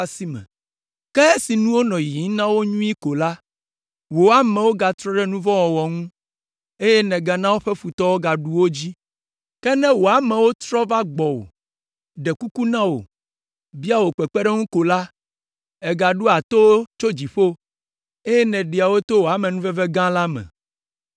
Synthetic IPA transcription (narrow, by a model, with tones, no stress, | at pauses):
a˦si˦mɛ̰̃˨ | kɛ˦e˦si˨nũ˦wo˦nɔ̃˨ji˨˦nã˦wo˦ɲũ˦i˦ko˨la˦ | wo˨a˨mɛ̃˨wo˦ɡa˨t̪ɾɔ˦ɖɛ˦nũ˦vɔ̃˦wɔ˨wɔ˨ŋũ˦ | e˦jɛ˦nɛ̃˨ɡa˨nã˦wo˦ɸɛ˦fu˨t̪ɔ˦wo˦ɡa˨ɖu˦wo˦d͡ʑi˦ | kɛ˦nɛ̃˦wo˨a˨mɛ̃˨wo˦t̪ɾɔ˦va˦ɡ͡bɔ˨wo̰˨ | ɖɛ˨ku˦ku˦nã˦wo̰˨ | bi˦a˦wo˨k͡pɛ˨k͡pɛ˦ɖɛ˦ŋũ˦ko˨la˦ | ɛ˨ɡa˨ɖu˦a˨t̪o˦t͡ʃo˦d͡ʑi˨ɸo˦ | e˦jɛ˦nɛ̃˨ɖe˨a˨wo˦t̪o˦wo˨a˨mɛ̃˨nũ˦vɛ˦vɛ˦ɡã˦la˦mɛ̰̃˨